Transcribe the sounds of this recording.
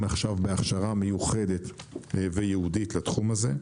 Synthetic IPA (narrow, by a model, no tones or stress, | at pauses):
naχʃavbeaχʃaʁame̞juχe̞d̪e̞tvejehuditlat̪χumaze̞